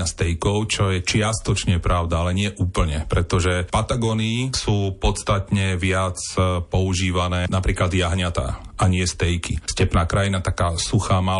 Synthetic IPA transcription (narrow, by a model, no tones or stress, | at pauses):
ast̪ɛjkɔʊt͡ʃɔjɛt͡ʃɪast̪ɔt͡ʃɲɛpɾaʊd̪aalɛɲɪɛʔuːpl̩ɲɛpɾɛt̪ɔʒɛpat̪aɡɔnisuːpɔt̪st̪at̪ɲɛʋɪat͡spɔuʒiːʋanɛːnapɾiːklad̪jaɦɲat̪a̰aɲɪɛst̪ɛjkḭscɛpnaːkɾajinat̪akaːsuxaːma